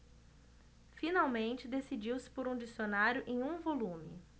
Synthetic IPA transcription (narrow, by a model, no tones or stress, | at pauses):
finawmẽnt͡ʃɪd̪esid͡ʒiwsɪ̥poɾũd͡ʒisionaɾjʊʔẽj̃ũvolũmɪ̰